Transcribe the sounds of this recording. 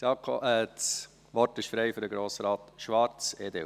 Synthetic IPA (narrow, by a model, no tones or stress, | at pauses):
sɑkʰo̰ʔɛs | ʋɔɾtɪʃfɾɛɪfʏɾdəɡɾoːsɾɑːt̪ʃʋɑɾt͡seːd̪ḛ